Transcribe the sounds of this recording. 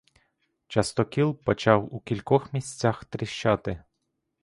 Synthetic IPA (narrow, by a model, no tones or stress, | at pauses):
t͡ʃɐst̪ɔkʲilˠpɔt͡ʃɑwukʲilʲkɔxmʲisʲt͡sʲaxt̪ɾʲɪʃt͡ʃɑt̪ɪ